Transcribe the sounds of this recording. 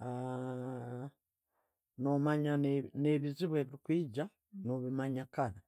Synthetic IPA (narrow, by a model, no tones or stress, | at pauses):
a | nomaɲane̞βiziβwe̞ːβiɾikwiːɟa | noβimaɲakana